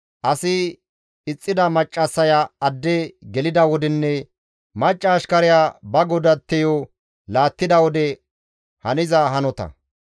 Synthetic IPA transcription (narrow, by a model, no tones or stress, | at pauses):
ʔɐsɪ | ɪt͡sʼːɪd̪ɐmɐt͡ʃʼːɐsːɐjaɐd̪ːɛɡɛlɪd̪ɐwɔd̪ɛnːɛ | mɐt͡ʃʼːɐːʃkɐɾɪjaːbɐɡɔd̪ɐt̪ːɛjɔ | laːt̪ːɪd̪ɐwɔd̪ɛ | hɐnɪzɐɦɐnɔt̪ɐ̰